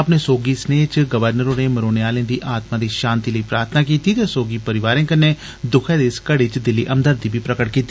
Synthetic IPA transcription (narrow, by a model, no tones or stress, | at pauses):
əpneːsoːɡiːsneːt͡ʃɡəʋəɾnəɾõːneːməɾoːneaːlẽːd̪iːʔaːt̪maːd̪eːʃãːnt̪iːləiːpɾaːɾt̪ʰnaːkiːt̪iːt̪eːsoːɡiːpəɾɪʋaːɾẽːkənːeː | d̪ʊkʰɛ̃ːd̪eːskəɽet͡ʃd̪ɪlːiːʔəmd̪əɾd̪iːbiːpɾəkəʈ̚kiːt̪ːi